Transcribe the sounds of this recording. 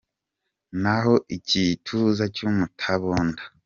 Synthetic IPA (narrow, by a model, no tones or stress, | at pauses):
naɦo̞ʔicitʰuzacumutʰaβoːnda